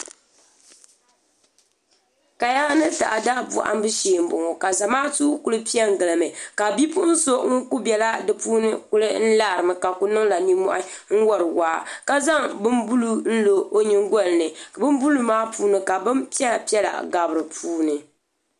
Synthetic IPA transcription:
ka˨ja˦nɨ˦ta̰˨ʔa˨daː˦bṵ˨ʔa̰˦m˦bɨ˦ʃeː˨m̩˨˦bʊ˨ŋo˨ka˨za˨maː˦tu˦ku˦lɨ˦pi˦ɛ˦ŋ˨ɡɨ˨lɨ˨mɨ˨ka˨bi˦pʊ˦n̩˦so˦ŋ̩˦ku˦bɛ˨la˦dɨ˨puː˦nɨ˦ku˦lɨ˦n̩˦laː˦˨ɾɨ˨mɨ˨ka˨ku˦nɨ˦ŋla˨ni˦mɔ̰˦ʔa˦ | ŋ̩˦wɔ˦ɾɨ˨waː˦ka˦za˦ŋbɨ˦mbu˦lu˦n̩˦lo˨o˦ɲɨ˦ŋɡɔ˦lnɨ˨bɨ˦m˦bu˦lu˦maː˦pʰuː˦nɨ˨ka˨bɨ˦mpi˦ɛ˦la˨pi˦ɛ˦la̰˨ɡa˨bɨ˨ɾɨ˨pʰuː˦nɨ˨

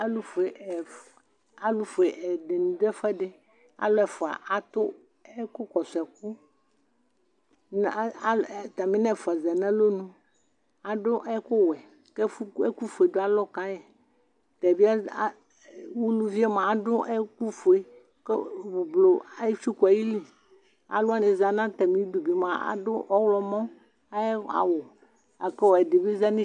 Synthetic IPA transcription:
a˦lu˦fe˨ | a˦lu˦fo˨e˨ʔɛ˨ɖe˨nũ˨d̪e˦fɛ˦ɖe˦ | a̰˦lɔ˦ɛ˨fɔ˨a̰˨ʔa˨t̪ʊ˦ | ɛ˦kʊ˦kɔ˨sɛ˨k̚u˦ | n˨˦a˦˨t̪a˨mĩ˦nɛ̃˦˨fa˨zɛ˨nɛ̃˦lo˦nũ˦ | a˦ɖʊ˦ʔɛ˦ko˦wɛ˨ | ke˦fe˦ku˦fe˨do˦a˦lɔ˦ka˦jɛ˨ | t̪ɛ˨bi˦a˦˨ | wu˦nũ˦vi˦ɛ˦mã˨a˦dʊ˦ʔɛ˦ku˦fo˨e˨ | kḛ˦bu˨blo˨a˦ji˦fi˦ka˨ji˦li˨ | a̰˨lʊ˦a˦nẽ˨za˨nã˦t̪ɛ˨mĩ˨˦du˨bi˨mã˨a̰˨dʊ˦ʔɔ˦wlɔ˨mɔ̃˦ | a˦a̰˨wo˨ | a˨ke˦wɔ˨ɛ˨de˨bi˦za˦nĩ˦

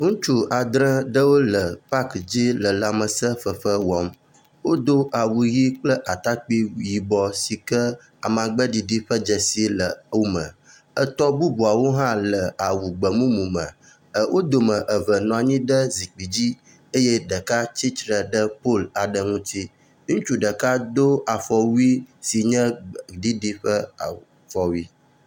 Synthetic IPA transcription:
ŋũ˦t͡ʃu˦a˨d̪ɾə̃˦ɖə˦wo˦lə˨pa˦kd͡ʑi˦lə˨la˨mə˨sə˦ɸə˨ɸə˦wɔ˨˦m | wo˦d̪o˦ʔa˨wu˨ɣi˦k͡plə˦ʔa˨t̪a˦k͡pi˦ji˨bɔ˨si˨kə˦ | a˨m˨ã˨ɡ͡bə˦ɖi˨ɖi˦ɸə˦d͡ʒə˨si˦lə˨wu˦mə̰̃˨ | ə˦t̪ɔ˦bu˦bu˨a˨wo˦ɦã˦lə˨a˨wu˨ɡ͡bə˨mũ˦mũ˨mə̰̃˨ | ə˨wʔo˦d̪o˨mə̃˨ʔə˨və˨nɔ̃˨a˨ɲĩ˦ɖə˦zi˨k͡pi˨d͡ʑi˦ | e˦jɛ˦ɖə˨ka˦t͡ɕi˦tɾə˨ɖə˦po˦˨la˨ɖə˦ŋũ˦t̪i˦ | ŋũ˦t͡ʃu˦ɖə˨ka˦d̪o˦a˨fɔ˨wu˦i˦si˨ɲɛ̃˦ɖi˦ɖi˦ɸə˦a˨ | fɔ˨wi˦

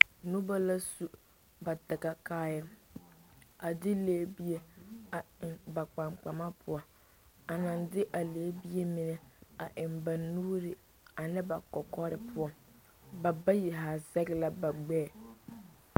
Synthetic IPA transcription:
nu˦ba˦la˦su˦ | ba˨tɪ˨ɡa˨kaː˦jɛ˦ | a˨dɪ˦leː˦bi˦e˦a˨ɪ˨ŋba˨k͡pa˨ŋ͡mk͡pa˨ma˦pʰʊ˦ɔ˦ | a˨na˨ndɪ˦ʔa˨leː˨˦bi˦e˦mɪ˨nɛ˦a˨ʔɪ˨mba˨nːuː˦ɾɪ˨ | a˨nɪ˦ba˨kɔ˨kɔ˦ɾɪ˨pʰʊ˦ɔ˦ | ba˨ba˦ji˨ɦa˨zɛ˦ɡɪ˦la˦ba˨ɡ͡bɛː˦˨

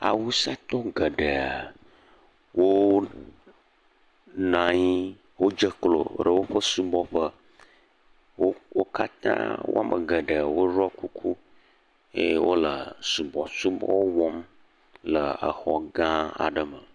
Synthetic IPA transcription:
a̰˨wu˦sa˦t̪ɔ˦ɡə˨ɖə˨a˨ | wʔo˦ | nã˨ɲi˦ | wo˦d͡ʒə˦klo̰˨ɖə˨wo˦ɸə˦su˦bɔ˦ɸə˦ | wo˦wo˦ka˦t̪ã̰˦wo̰˦a˦mʔə̰˨ɡə˨ɖə˨a˨wo˦ɾɔ˦ku˦kʰu˦ | jḛ˦wo˦lə˨su˨bɔ˨su˦bɔ̰˦wɔ˦m | lə˨ə̰˨xɔ˨ɡã˦a̰˨ɖə˦mə˨

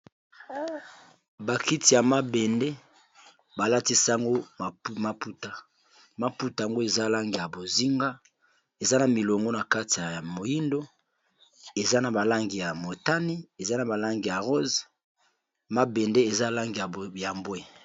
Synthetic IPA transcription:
ba˨ki˦ti˨ja˨ma˦be˨nde˦ | ba˨la˦ti˦sa˦ŋɡo˦˨ma˨pu˦ta˦ | ma˦pu˦ta˨ŋɡo˦e˨za˦la˦ŋɡi˨ja˨bo˨zi˦ŋɡa˦ | e˨za˦na˨mi˨lo˨ŋɡo˦na˨ka˦ti˨ja˨mo˨ji˦ndo˦ | e˨za˦na˨ba˨la˦ŋɡi˨ja˨mo˨ta˦ni˦e˨za˦na˨ba˨la˦ŋɡi˨ja˨ʁo˦z | ma˦be˨nde˦e˨za˦˨la˦ŋɡi˨a˨ja˨mbwe˦

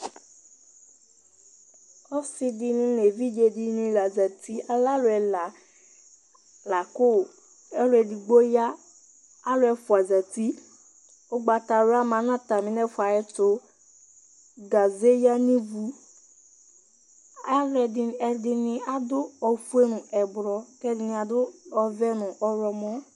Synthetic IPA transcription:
ɔ˦sɪ˧dɪ˨nĩ˦le˨vi˦d͡ʒe˨di˨nĩ˨la˨d͡za˨tʰi˦a˦la˦lʊ˨ɛ˨la˨ | la˨kʊ˦˨ | ɛ˦lʊ˦ɛ˨di˨ɡ͡bo˦jaː˦ | lʊ˦ɛ˨fʊ˨a˨d͡za˨ti˦ | ʊ˦ɡ͡ba˨ta˨ɾʊ˦a˦mã˨˦n˦ã˦ta˨mɪ̃˨˦nɛ˦fa˨jɛ˦tʊ˦ | ɡa˨ze˦ja˦nĩ˦vu˨ | a˦ɾɛ˨dɪ˨n˨ɛ˨dɪ˦nɪ̃˦a˨dʊ˦ɔ˨fu˦e˦nʊ̃˨ɛ˨bɾɔ˨kɛ˦dɪ˨nɪ̃˨a˨dʊ˦ɔ˨vɛ˦nʊ̃˨ʔɔ˨ɾɔ˨mɔ˦

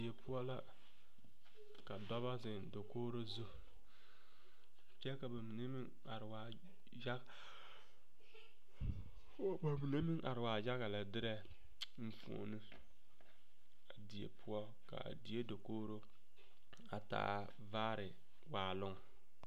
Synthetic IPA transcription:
di˨je˨pʊ˦ɔ˦la˦ | ka˨dɔ˦βa˦zɪ˨ndo˨koː˦ɾo˦zu˦ | t͡ʃɛ˦ka˨ba˨mi˨ne˦mɪ˦ŋ | a˨ɾɪ˨waː˨ | ja˦˨ | ba˨mi˨ne˦mɪ˦ŋʔa˨ɾɪ˨waː˨d͡ʒa˦ɣa˨la˨dɪ˦ɾɛ˦ | m̩˦fo̰˨ni˦ | a˨di˨ḛ˨pʰʊ˦ɔ˦ | ka̰˨di˨e˦do˨koː˦ɾo˦ | a̰˨ta̰ː˦ | vaː˦ɾɪ˨ | waː˨lʊ˦ŋ

